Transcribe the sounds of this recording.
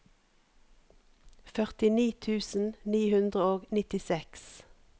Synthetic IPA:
fœʁt̪ɪniːt̪ʰʉːsn̩niːhʉnd̪ʁəoːɡnɪt̪ɪsɛks

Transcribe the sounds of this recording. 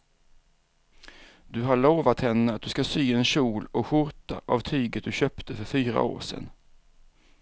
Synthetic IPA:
d̪̥ɵɦaɭoːvat̪hɛnːəat̪̚d̪ɵskasyːɛnɕuːlɔkɧʊɾt̪a̰ʔavt̪ʰyːɡət̪̚d̪ɵɕœːpt̪ʰəfœɾfyːɾa̰o̰ːʂɛ̰n

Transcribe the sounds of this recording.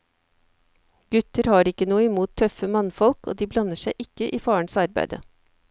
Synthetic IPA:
ɡ̥ʉt̪əɾhɑːɾɪkːənuːəɪmuːt̪ʰːœfəmɑnfɔlko̰ːd̪iːblɑnəʃæɪʔɪkːəʔiːfɑːəɳ̩sɑɾbæ̰ɪd̪ə̰

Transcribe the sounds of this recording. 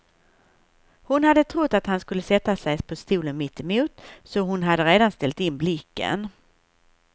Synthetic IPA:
hʊnhad̪ːət̪ʰɾʊt̪ːat̪hanskɵlːəsɛt̪ːasɛjpʰɔst̪uːlənmɪt̪ːɛmuːt̪sɔɦʊnɦad̪ːəɾeːd̪anst̪ɛlt̪ɪnblɪkːə̰n

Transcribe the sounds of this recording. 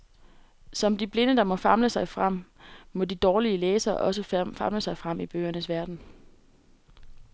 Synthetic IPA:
sɒ̽md̥ib̥le̝nəd̥ɑ̈mɒ̽fɑ̈mləsɑ̈ɪfʁam̰mɒ̽did̥ɒːliəleːsɐʔɒ̽səfɑ̈mləsɑ̈ɪfʁɑm̰ib̥ø̰ːɐnəsʋæɐd̥n̩

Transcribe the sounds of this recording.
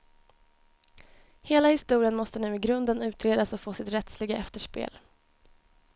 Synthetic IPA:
heːlahɪst̪uːɾɪənmɔst̪ənʉ̟ːɪɡɾɵnd̪ənʉ̟ːt̪ɾeːd̪asɔfoːsɪt̪ɾɛt̪slɪɡaʔɛft̪əʂpḛːl

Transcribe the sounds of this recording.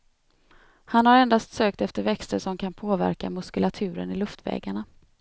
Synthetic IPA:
hanhaɾɛnd̪ast̪søːk̚t̪ɛft̪əɾvɛkst̪əʂɔmkʰanpʰoːvæ̰ɾkamɵskɵlat̪ʰʉ̟ːɾə̰nɪlɵft̪vɛ̰ːɡaɳa

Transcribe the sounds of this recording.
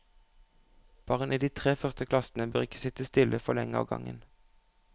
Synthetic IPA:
b̥ɑːʁənʔiːd̪iːt̪ʰʁeːfœʁst̪əkʰlɑsn̩əbøʁɪkə̥sɪt̪əst̪ɪlʔəfɔʁlɛŋəɑ̰ːʋɡɑ̰ŋə̰n

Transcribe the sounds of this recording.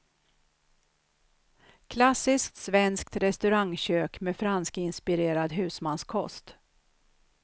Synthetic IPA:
kʰlasːɪskt̪svɛnsk̚t̪ɾɛst̪ɵɾaŋɕøːkmefɾanskɪnspɪɾeːɾad̪ɦʉ̟ːsmanskʰɔ̰st̪

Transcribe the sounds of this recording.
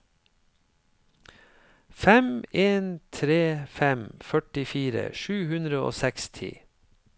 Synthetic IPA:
fɛmeːnt̪ʰɾeːfɛmfœʈɪfiːɾə̰ʃʉːhʉnd̪ɾəo̰ːsɛkst̪ʰɪ̰

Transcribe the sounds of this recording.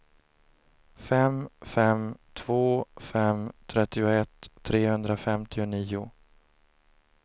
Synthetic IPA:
fɛmfɛmt̪ʰv̥oːfɛmt̪ʰɾɛt̪ːɪʊɛt̪ʰːɾeːhɵnd̪ɾafɛmt̪ʰɪʊniːʊ

